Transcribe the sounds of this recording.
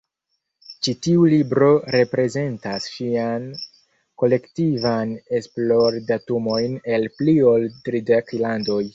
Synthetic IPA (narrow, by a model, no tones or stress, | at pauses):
t͡ʃitiulibɾo̞ɾe̞pɾe̞ze̞ntasʃian | ko̞le̞ktivane̞splo̞ɾdatumo̞jne̞lplio̞ltɾideklando̞j